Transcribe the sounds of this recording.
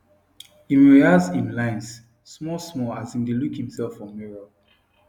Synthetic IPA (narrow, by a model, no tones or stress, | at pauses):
ĩnɹɛazĩnlãɪ̃ns | smɔsmɔlazĩndelukhĩmsɛlfɔ̃mːɛɹa